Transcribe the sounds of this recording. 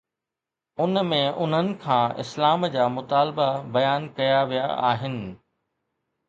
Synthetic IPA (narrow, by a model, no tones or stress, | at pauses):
ʊnmẽʔʊn̤ənɪ̆kʰãːɪ̰slaːmd͡ʑaːmʊt̪aːlbabɐjaːnkɐjaʋija̰a̰ːɦɪnɪ̆